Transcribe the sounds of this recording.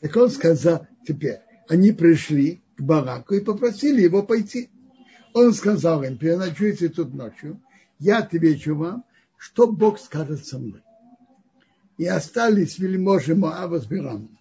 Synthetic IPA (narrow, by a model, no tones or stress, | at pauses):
t̪ɐkonskɐzalˠt̪ʲɪpʲeɾʲ | ɐnʲipɾʲɪʂlʲiɡ̥bɐɾakʊɪpəpɾɐsʲilʲɪjɪvopɐjtʲi | onskɐzalˠɪmpʲɪɾʲɪnɐt͡ʃujtʲɪt̪ut̪not͡ʃjʊ | jat̪ɪvʲet͡ʃʊvam | ʂt̪oboxskaʐɨt̪sɐmnoj | ɪɐst̪alʲɪsʲvʲɪlʲɪmoʐɨmoavəzbʲɪɾam